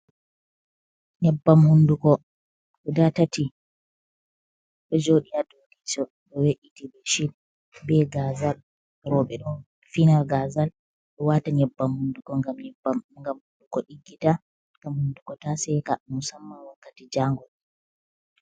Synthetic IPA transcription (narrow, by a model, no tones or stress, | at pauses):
ɲɛbːamhundukɔ | ɔdatati | ɗɔd͡ʒoɗijadodisɔ | ɗɔweʔitibɛʃin | bɛɡazal | ɾɔɓɛɗɔ | finalɡazal | ɗɔwataɲɛbːamhundukɔŋɡamŋɡamhundukɔɗiɡːita | ŋɡamhundukɔtasɛkamusamːawakːatid͡ʒaŋɡɔl